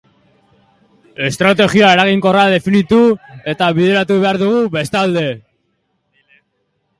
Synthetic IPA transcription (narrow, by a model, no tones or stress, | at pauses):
e̞st̪ɾat̪e̞ɣioae̞ɾaɣiŋko̞rað̞e̞finit̪ue̞t̪aβiðeɾat̪uβe̞aɾðuɣ̞uβe̞st̪ald̪e̞